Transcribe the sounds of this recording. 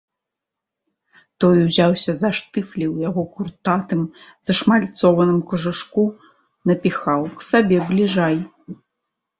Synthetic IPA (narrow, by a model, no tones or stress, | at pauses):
t̪ɔjwzʲawsʲɐzaʂt̪ɨflʲiwjaɣɔkurt̪at̪ɨmz̥ɐʂmalʲt̪sɔvɐnɨmkɐʐɨʂku | nɐpʲixawksabʲɛblʲiʐaj